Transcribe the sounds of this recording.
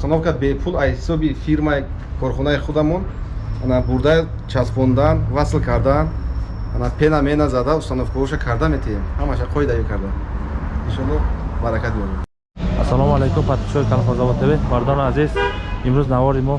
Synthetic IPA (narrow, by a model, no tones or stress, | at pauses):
ust̪anɔfkabepʰulahisɔbifiɾmai | kʰɔɾχɔnaiχud̪amɔnanabuɾd̪a | t͡ʃʰaspɔnd̪anvaslkʰaɾd̪an | anapʰenamenazad̪aust̪anɔfkɔɾɔʃakʰaɾd̪amet̪ʰiemhamaʃaqʰɔid̪ajikʰaɾd̪aniʃɔnɔbaɾakʰat̪̚biɔɾe | asalɔmalekumpʰat̪p̪i̥ʃɔɾikʰanfazavat̪ʰebemaɾd̪ɔnazizimɾuznavɔɾimɔ